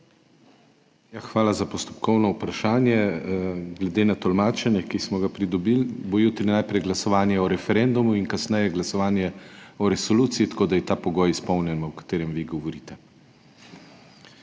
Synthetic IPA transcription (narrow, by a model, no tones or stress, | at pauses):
jaxʋaːlazapɔst̪ɔ̥pkɔwnɔupɾaʃaːnjɛ | ɡlɛd̪eːnat̪ɔlmaːt͡ʃɛnjɛkismɔɡapɾid̪ɔbilbojut̪ɾinaːjpɾɛjɡlasɔʋaːnjɛɔɾɛfɛɾɛnd̪umuinkasnɛjɛɡlasɔʋaːnjɛɔɾɛsɔluːt̪sijit̪ḁkoːd̪ajɛt̪aːpɔɡɔːjispɔwnjɛnɔɔkḁt̪eːɾɛmʋiɡɔʋɔɾiːt̪ɛ